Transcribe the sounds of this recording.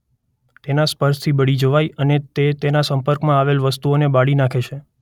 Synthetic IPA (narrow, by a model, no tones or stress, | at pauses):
t̪enaspəɾst̪ʰibəɽid͡ʒoʋajənet̪et̪enasə̃mpəɾkmãaʋelʋəst̪uonebaɽinakʰet͡ʃʰe